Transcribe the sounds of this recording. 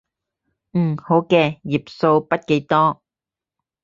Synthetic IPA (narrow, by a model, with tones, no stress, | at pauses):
m̩˨˩ho˨˥wkɛː˧ji˨˩p̚so˧wpɐ˥t̚ke˨˥jt̪ɔː˥